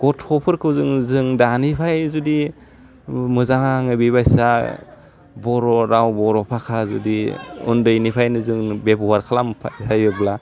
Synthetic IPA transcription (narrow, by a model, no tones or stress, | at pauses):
ɡ̥ɔtʰɔpʰɯɾkʰɯwzɯŋzɯŋdanipʰajzudi | mɯzaŋaŋɯbiβajsa | bɔɾɔɾawbɔɾɔpʰakʰazṵdiṵndɯjnipʰajnɯzɯŋbebuwaɾkʰalampʰa̰jtʰajɯbla